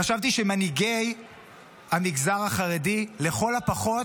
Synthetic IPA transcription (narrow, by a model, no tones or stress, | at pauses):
aʃavt̪iʃemaniɡej | amiɡzaʁaχaʁedile̞χo̞lapaχo̞t